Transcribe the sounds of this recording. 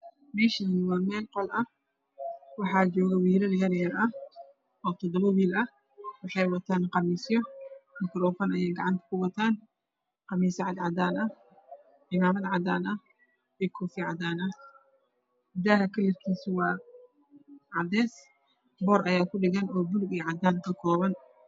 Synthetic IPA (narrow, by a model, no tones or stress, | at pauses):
mɛːʃɪnwɑːmɛːlqɔlʔɐ | wɑħɑːt͡ʃɔːɣɐwiːlɐljɐɾɪjɐɾɐ | ɔːt̪ʰɔd̪ɔβɐwiːlɐ | wɑħɑjwɐt̪ʰaːnqɑmiːsjɔɪk̪ʰɾɔːfɐnɐjɛːjɡɑʕɑnt̪ʰɐ̥kʰʊwɐt̪ʰaːn | qɑmiːsɐʕɑd̪ʕɑd̪aːnɐ | ʔɪmaːmɐðʕɑd̪aːnɐ | ɛkʰɔːfiʕɑd̪aːnɐ | d̪aːɦɐkʰɐlːɪrkʰiːsʊwɑː | ʕɑd̪ɛːs | bɔːɾʔɐjaːkʰʊɖɪɣɐnɔːbʊlɡɛːʕɑd̪aːnkʰɐkʰɔːβɐn